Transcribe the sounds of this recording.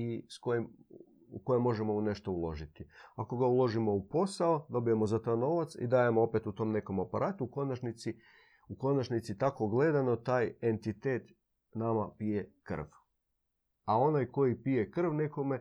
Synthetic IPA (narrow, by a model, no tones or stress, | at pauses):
iskojim | ṵko̞jemːo̞ʒemo̞une̞ʃt̪o̞ulˠo̞ʒit̪iako̞ɡaulˠo̞ʒimo̞upo̞saod̪o̞bije̞mo̞zat̪ajno̞ʋat̪sḭd̪aːje̞moopet̪ut̪o̞mne̞ko̞mapaɾʔaːt̪uuko̞nat͡ʃnit̪si | uko̞nat͡ʃnit̪sit̪ako̞ɡle̞d̪ano̞t̪aːje̞nt̪it̪eːt̪ | namapije̞kr̩̰ʋ | ao̞najko̞jipije̞kr̩ʋne̞ko̞me̞